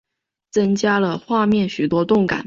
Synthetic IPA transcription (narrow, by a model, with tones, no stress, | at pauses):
t͡sə˥ŋt͡ɕja˥lə˨xwa˥˧mjɛ˥˩nɕy˨˩t̪wɔ˥t̪ʊ˥˩ŋka̰˨˩˦n